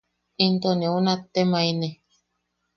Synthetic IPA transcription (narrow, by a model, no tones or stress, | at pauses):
int̪oneunat̪ːemaine